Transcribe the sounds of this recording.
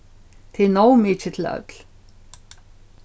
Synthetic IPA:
t̪ʰɪnowmɪt͡ʃɪt̪ʰɪlœ̰t̪l̥

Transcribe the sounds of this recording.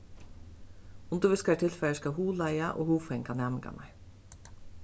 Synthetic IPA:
ʊnd̪ʊʋɪskɑʈʰɪlfœəskɑhuːlæɪɑʔo̰ːhuːfɛŋkʰɑnjɑːməkɑ̰nʔɑɹ

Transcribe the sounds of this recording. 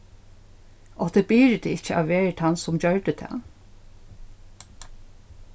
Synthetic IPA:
ʔɔt̪ɛbɪːɹd̪ɛɪcːəa̰ʋʋeːɹət̪ʰansʊmt͡ɕœɹɖət̪ʰɛ̰ː

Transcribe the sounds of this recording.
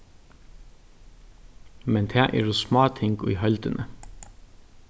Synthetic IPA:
mɛnt̪ʰæːʔḛːɹuːsmɑːt̪ʰɪŋɡḭːhœld̪ənʔə

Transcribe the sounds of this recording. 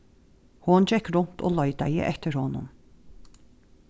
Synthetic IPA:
hʊnd͡ʒɛkɾʊnt̪ʰo̰ːlɔʏd̪ajɪ̰ʔɛt̪əɾhɔnʊ̰n

